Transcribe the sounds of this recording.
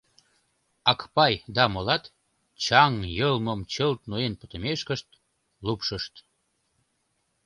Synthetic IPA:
ɑkpɑjd̪ɑmolɑt̪ | t͡ɕɑŋjəlməmt͡ɕəlt̪̚nuenpə̥t̪əmeʃkəʃt̪̚ | lupʃəʃt̪

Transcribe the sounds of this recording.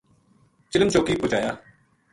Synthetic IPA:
t͡ʃɪləmt͡ʃoːkiːpʊt͡ʃaːjaː

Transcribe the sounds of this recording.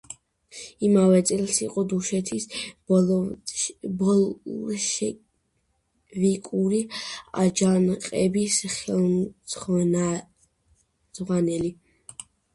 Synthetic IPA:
imavɛt̪sʼilˠsiqʼɔd̪uʃɛt̪ʰis | bɔʃ | vikʼuɾia̰d͡ʒanqʼɛbisχɛlˠsχana | zʁwanɛli

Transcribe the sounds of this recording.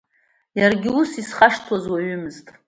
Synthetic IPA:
jarɡʲɪusisχaʂtʰwazwaɥʏmɨztʼ

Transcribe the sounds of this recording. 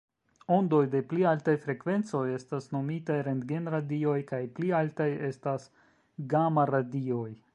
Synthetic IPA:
o̞ndo̞jde̞plialtajfɾe̞kve̞nt͡so̞je̞stasno̞mitajɾendɡenɾadio̞jkajplialtaje̞stas | ɡamaɾadio̞j

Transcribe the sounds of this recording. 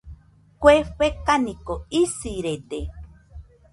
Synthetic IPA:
kʷeɸekanikoisiɾed̪e

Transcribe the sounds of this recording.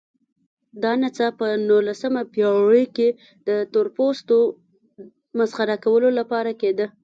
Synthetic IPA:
d̪ɑnat͡sapənulasəmapjɑɽəjke | d̪̥ət̪oɾpost̪o | mazxaɾakawəlolapɑɾaked̪ə

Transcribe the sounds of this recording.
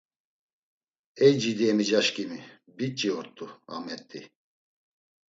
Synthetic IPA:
ɛjd͡ʒid̪iɛmid͡ʒaʃkimi | bit͡ʃʼiɔɾt̪ːua̰mɛt̪ːḭ

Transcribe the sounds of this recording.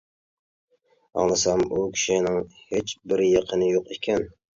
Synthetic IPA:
ɑ̰ŋlˠɨsɑmukʲʰi̥ʃinɪŋhet͡ʃbɪɾjɑqʰənɨjoqekʲʰɛn

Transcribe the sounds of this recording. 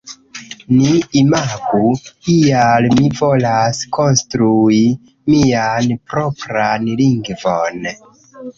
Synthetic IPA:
niimaɡukialmivo̞laskonstɾui | mianpɾokɾanliŋɡvon

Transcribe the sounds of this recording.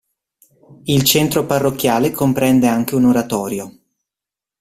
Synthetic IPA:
ilt͡ʃɛnt̪ɾoparːokʲːjaːlekompɾɛnd̪eaŋk̟eunoɾat̪ɔːɾjo

